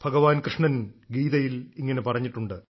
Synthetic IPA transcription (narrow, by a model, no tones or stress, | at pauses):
bʱɐɡɐʋaːnkrɨʂɳɐnɡiːðɐjiliŋːɐne̞pɐrɐɲːiʈːuɳɖɨ